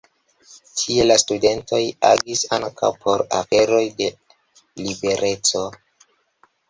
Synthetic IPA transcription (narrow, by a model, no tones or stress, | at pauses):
tʰie̞lastude̞nto̞ja̰ɡisa̰ŋkʰa̰wpʰo̞ɾa̰fe̞ɾo̞jde̞ | libe̞ɾʔe̞t͡so̞